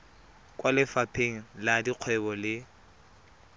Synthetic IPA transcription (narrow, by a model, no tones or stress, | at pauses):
kʼwalɪfapʰʼeŋ̩ladiq͡χʰwɛbɔlɪ